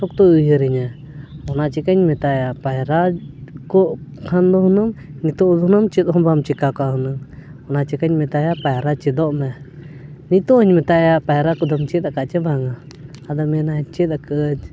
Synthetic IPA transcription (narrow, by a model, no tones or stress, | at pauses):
sɔkt̪ɔujəɾiɲa | ɔnat͡ʃikaɲmɛt̪ajapaɾakɔʔkʰand̪ɔɦunəmnit̪ɔd̪ɦnɐmt͡ʃit̪ɦɔmbamt͡ʃikakaɦunəŋɔnat͡ʃikaɲmɛt̪ajapajɾat͡ʃid̪ɔʔmɛ | nit̪ɔɦəɲmɛt̪ajapajɾakɔd̪ɐmt͡ʃit̪akaʔt͡ʃɛbaŋaː | d̪amɛnat͡ʃit̪akəd͡ʒ